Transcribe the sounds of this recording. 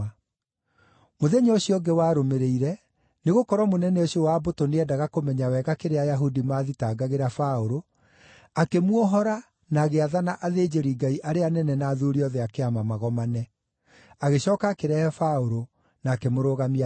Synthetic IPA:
moðeɲaoɕiɔɡewaːɾomeɾeiɾɛ | neɣokɔɾwɔmonɛnɛoɕiɔwaːbotoneɛdaɣakomɛɲawɛɣakeɾeajaɦudimaðitaːɡaɣeɾafaoɾo | akemwɔɦɔɾa | naːɣeaðanaʔaðeːd͡ʑeɾiɡaiʔaɾeanɛnɛnaːðuɾiɔðɛakeamamaɣɔmanɛ | aɣeɕɔːkakeɾɛhɛfaoɾo | naːkemoɾoɣamia

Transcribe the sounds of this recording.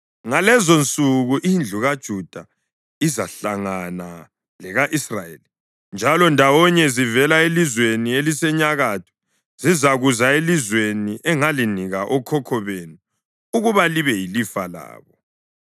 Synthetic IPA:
ŋalɛzont͡sʼuɣuʔind͡ɮʱuɣad̥ʒ̥ʱud̥ʱa | izaɬaŋana | lɛɣaʔisrajḛli | nd͡ʒʱalɔndʱawɔɲɛzivɛlaelizwenielisɛɲaɣatʰɔ̥ | zizaɣuzaelizweniʔɛŋaliniɣaʔɔkʰɔkʰɔβenu | uɣuβaliβɛjilifala̰ːβɔ

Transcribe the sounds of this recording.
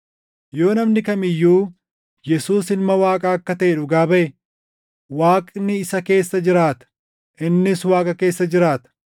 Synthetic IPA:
jo̞ːnɐmnɪkɐmɪjːuː | jɛsuːsɪnmɐwaːkʼɐɐkːɐt̪ɐʔɛᶑʊɡaːbɐʔɛ | waːkʼnɪːsɐke̞ːsːɐd͡ʒɪɾaːt̪ɐ̥ | ʔɪnːɪswaːkʼɐke̞ːsːɐd͡ʒɪɾaːt̪ɐ̥

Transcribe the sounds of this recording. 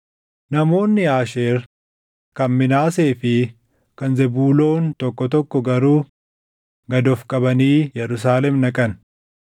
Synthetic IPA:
nɐmo̞ːnːɪaːʃeːɾ | kɐnmɪnaːse̞ːfɪ | kɐnzɛbuːlo̞ːnt̪ɔkːɔt̪ɔkːɔɡɐɾuː | ɡɐd̪ɔfkʼɐbɐniːjɛɾʊs̬aːlɛmnɐkʼɐn

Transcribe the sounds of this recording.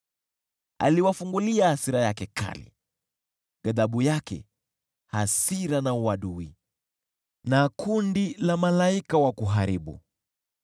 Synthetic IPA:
a̰liwafuŋɡuliahasiɾajakɛkʰa̰lḭ | ɡaðaɓujakɛ̰ | hasiɾanauwaɗui | nakundilamalaikawakuɦaɾiɓṵ

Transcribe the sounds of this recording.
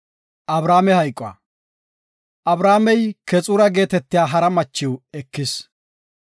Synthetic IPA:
ʔɐbɾaːmɛhɐjkʼːa̰ː | ʔɐbɾaːmɛjkɛt͡sʼʊɾɐɡe̞ːt̪ɛt̪ːɪjaːɦɐɾɐmɐt͡ʃːɪwɛkːɪs

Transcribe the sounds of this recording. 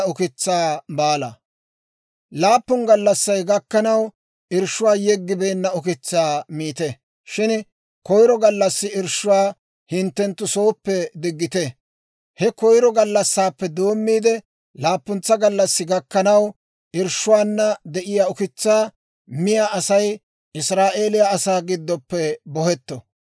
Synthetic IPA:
ʊkɪt͡sːaːbaːlɐ̰ | laːpːʊnɡɐlːɐsːɐjɡɐkːɐnɐw | ɪɾʃʊwaːjɛɡːɪbe̞ːnːɐʊkɪt͡sːaːmiːt̪ɛ | ʃɪn | kɔjɾɔɡɐlːɐsːɪɪɾʃʊwaː | hɪnt̪ːɛnt̪ːʊsoːpːɛd̪ɪɡːɪt̪ɛ | hɛkɔjɾɔɡɐlːɐsːaːpːɛd̪o̞ːmːiːd̪ɛ | laːpːʊnt͡sːɐɡɐlːɐsːɪɡɐkːɐnɐw | ʔɪɾʃʊwaːnːɐd̪ɛʔɪjaːʊkɪt͡sːaː | mɪjaʔɐsɐj | ʔɪsɾaːʔe̞ːlɪjaːsaːɡɪd̪ːɔpːɛbɔhɛt̪ːɔ̰

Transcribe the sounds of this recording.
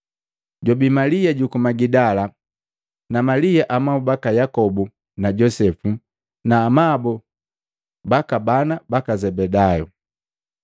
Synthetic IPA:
ɟɔbimalijaɟukumaɡidala | namalijaʔamaubakajakɔbu | naɟɔsɛfu | naːmabɔ | bakabanabakazɛbɛdajɔ

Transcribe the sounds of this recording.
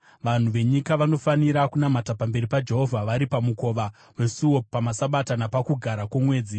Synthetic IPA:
ʋan̤uʋe̞ɲikaʋano̞faniɾakunamatapambe̞ɾipad͡ʒe̞ɦo̞vʱaʋaɾipamuko̞ʋa | we̞suwo̞pamasaɓatanapakuɡʱaɾakwomwe̞ːd͡zi

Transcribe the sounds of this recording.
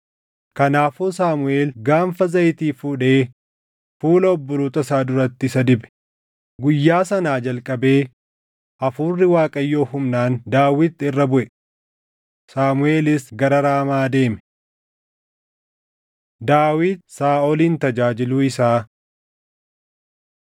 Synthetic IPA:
kɐnaːfuːsaːmʊe̞ːlɡaːmfɐzɐjt̪iːfuːᶑe̞ː | fuːlɐɔbːʊɾuːt̪ɐsaːd̪ʊɾɐt̪ːɪsɐd̪ɪbɛ̥ | ɡʊjːaːsɐnaːd͡ʒɐlkʼɐbe̞ː | ʔɐfuːrːɪwaːkʼɐjːo̞ːhʊmnaːnd̪aːwɪt̪ːɪrːɐbʊʔɛ | saːmʊe̞ːlɪsɡɐɾɐɾaːmaːd̪e̞ːmɛ | d̪aːwɪd̪̚saːɔliːnt̪ɐd͡ʒaːd͡ʒɪluːɪsaː

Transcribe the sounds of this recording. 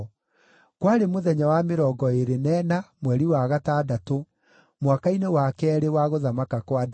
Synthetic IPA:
kwaɾemoðɛɲawameɾɔːɡɔeɾenɛnamwɛɾiwaɣataːdato | mwakainewakɛɾewaɣoðamakakwad

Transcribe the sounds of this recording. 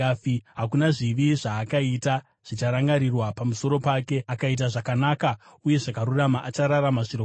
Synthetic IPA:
iɦak̬unaʐiʋiʐaːkaita | ʐ̥it͡ʃaɾaŋɡaɾirwapamuso̞ɾo̞paːke̞akait̬aʐakanaːkauje̞ʐakaɾuramaʔat͡ʃaɾaɾamaʐiro

